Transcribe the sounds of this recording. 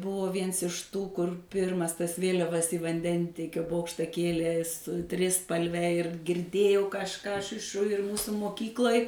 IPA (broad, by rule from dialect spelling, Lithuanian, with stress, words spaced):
ˈbʊʋoː ˈʋʲiɛns ɪʃ ˈtuː kʊr ˈpʲɪrmɐs tɐs ˈʋʲeːlʲɛʋɐs iː ʋɐnʲˈdʲɛnʲtʲiɛkʲoː ˈboːkʃtɐ ˈkʲeːlʲeː sʊ ˈtʲrʲɪspɐlʲʋʲɛ ɪr ɡʲɪrʲˈdʲeːjɛʊ kɐʃˈkɑː ˈɐʃ ɪʃ ʃʊ ɪr ˈmuːsʊ moːˈkʲiːklˠɐɪ